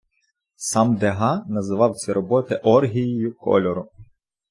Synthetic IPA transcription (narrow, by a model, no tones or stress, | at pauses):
sɑmd̪eɦɑnɐzɪʋɑwt͡sʲiɾɔbɔt̪ɪʔɔrɦʲijijʊkɔ̰lʲɔɾʊ